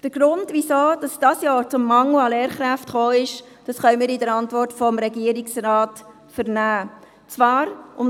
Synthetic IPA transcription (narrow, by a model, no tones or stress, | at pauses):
d̥əɾɡ̥ɾʊndʋisoːd̥ɑsd̥ɑsjɑːɾt͡sʊmːɑŋl̩ɑleːɾχɾæftχoːɪʃ | d̥ɑsχœʏmiːɾɪdəɾɑntvɔrtfɔmɾɛɡiəɾɪksrɑːt | fəɾnæː | t͡svɑːɾʊm